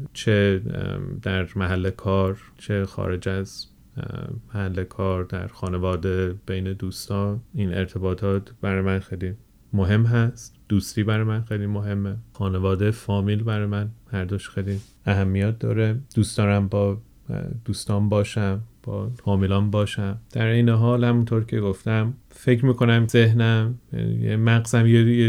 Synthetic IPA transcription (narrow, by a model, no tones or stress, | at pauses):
t͡ʃʰe | d̪̥æɾmæɦælːekʰɒːɾ | t͡ʃʰe̞xɒ̰ːɾe̞d͡ʒæz̥ | mæhælːekʰɒːɾd̪æ̰ɾxɒːnevɒːd̪eb̥ejned̪uːst̪ɒːiːnḛɾt̪ʰe̞bɒːt̪ʰɒːt̪ʰb̥æɾɒːjmænxejli | moɦe̞mːɦæst̪d̪̥uːst̪iːbæɾɒːjemænxejlimoɦe̞mːexɒːne̞vɒːd̪efɒːmilbæɾɒːjemænhæɾd̪oʃxejli | æɦæmːijæt̪̚ʰd̪ɒ̰ːɾed̪̥uːst̪ɒːɾæmbɒ̰ː | d̪̥uːst̪ɒːnbɒːʃæmb̥ɒ̰ːfɒːmilɒːnbɒːʃæmd̪̥æɾejneɦɒːlhæmunt̪ʰoɾcʰe̞ɡoft̪æm | fe̞cʰɾmiːkʰo̞næmzeɦnæmjæ̰nḭḛmæɣzæmjeje